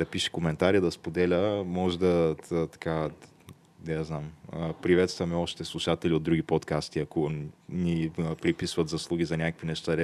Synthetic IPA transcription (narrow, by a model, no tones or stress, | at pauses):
d̪ɐpiʃɛ̥komɛnt̪aɾid̪ɐspod̪ɛlʲəmɔʒɛd̪ɐt̪ɐ̥ka | nɛznaməpɾivɛt̪st̪vɐmɛɔʃt̪ɛslˠuʃat̪ɛliod̪d̪ɾuɡ̟ipot̪kast̪iɐkonipɾipisvɐt̪zɐslˠuɡ̟izɐnʲakəkvinɛʃt̪aɾ